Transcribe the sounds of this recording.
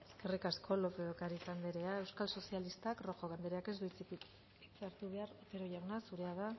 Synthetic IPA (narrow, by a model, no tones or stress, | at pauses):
e̞ske̞rikaskʰo̞lo̞peokaɾisand̪eɾe̞ae̞wskalso̞sialist̪akro̞xoɣ̞and̪eɾeake̞zd̪uit͡sipi | it͡seaɾt̪uβe̞aɾepeɾojawnasuɾe̞aða